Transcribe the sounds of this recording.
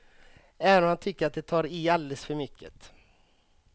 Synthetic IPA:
ɛvənɔmhant̪ʰʏkːəɾat̪̚d̪ɛt̪ʰɑːɾiald̪ɛlsfœɾmʏkʰːə̰t̪

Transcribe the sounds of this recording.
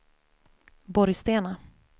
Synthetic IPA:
bɔɾjst̪eːna

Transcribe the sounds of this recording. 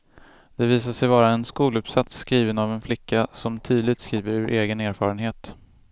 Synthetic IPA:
d̪̥ɛviːsaʂɛjvɑːɾaɛnskuːlɵpsat̪sːkɾiːvənavɛnflɪkːasɔmt̪ʰyːd̪lɪt̪skɾiːvəɾʉːɾʔeːɡəneːɾfɑːɾənɦeːt̪

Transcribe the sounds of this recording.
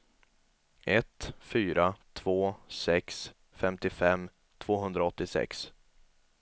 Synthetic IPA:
ɛt̪fyːɾat̪ʰv̥oːsɛks | fɛmt̪ɪfɛmː | t̪ʰv̥oːɦɵnd̪ɾaɔt̪ːɪsɛ̰ks

